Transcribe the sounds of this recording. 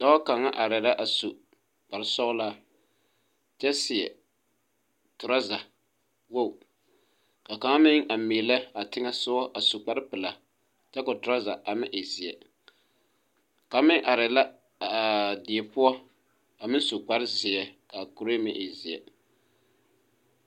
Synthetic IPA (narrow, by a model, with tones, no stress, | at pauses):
d̥a˦a˦ka˨ŋːa˦ʔa˨ɾɛ˨la˦ʔa˨su˨ | k͡pa˨ɾɪ˦sɔ˦ʊ˦la˦ | t͡ʃɛ˦sɪ˨jɛ̰˨ | tʊ˨ɾa˦za˨ | wo˦˨ | ka˨ka˨ŋ˦mɪ˦ŋʔa˨mi˨lɛ˦a˨tɪ˦ŋa˦sʊ˦ɔ˦ʔa˨su˨k͡pa˦ɾɪ˦pɨ˨la˨ | t͡ʃɛ˦kʊ˨tʊ˨ɾa˦za˨ʔa˨mɪ˦ʔɪ˨zɪ˨jɛ̰˨ | ka˨mɪ˦ŋʔa˨ɾɛ˨la˦˨ | di˨e˨pʊ˦ɔ˦ | a˨mɪ˦n˦su˨k͡pa˦ɾɪ˦zɪ˨ɛ˨ka˨kʊ˨ɾe˦mɪ˦ʔɪ˨zɪ˨ɛ̰˨